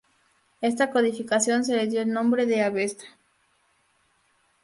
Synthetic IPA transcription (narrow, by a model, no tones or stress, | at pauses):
est̪akoðifikasjo̞ns̬eleðjoelnõ̞mbɾeðeaβest̪ḁ